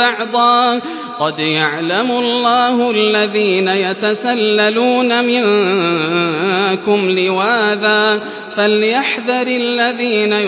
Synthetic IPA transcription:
ɑʕd̪ˤɑː | qɑd̪jaʕlamʊlːaːhʊʔalːaðiːnajat̪asalːaluːnamɪn | kʊmlɪwaːðaː | faljaħðɑɾɪlːaðiːna

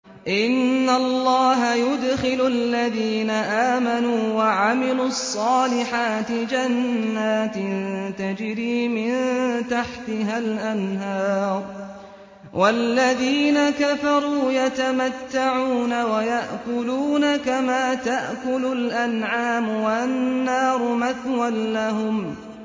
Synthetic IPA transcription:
ʔɪnːalˤːɑːɦajʊd̪xɪlʊlːaðiːnaʔaːmanuːwaʕamɪlʊɑsˤːɑːlɪħaːt̪ɪd͡ʒanːaːt̪ɪnt̪ad͡ʒɪɾiːmɪnt̪aħt̪ɪɦalʔanɦɑːɾˤ | wʔalːaðiːnakafɑɾˤuːjat̪amat̪ːaʕuːnawajaʔkʊluːnakamaːt̪aʔkʊlʊlʔanʕaːmʊwannnːɑːɾˤʊmaθwanːaɦʊm

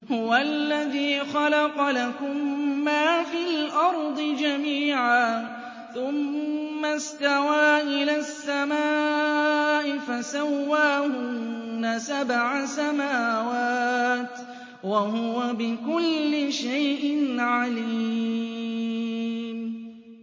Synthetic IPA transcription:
hʊwalːaðiːxɑlɑqɑlakʊmːaːfilʔɑɾˤd̪ˤɨd͡ʒamiːʕaː | θʊmːast̪awaːʔɪlaːsːamaː | ʔɪfasawːaːhʊnasabʕasamaːwaːt̪ | wahʊwabɪkʊlːɪʃajʔɪnʕaliː | m

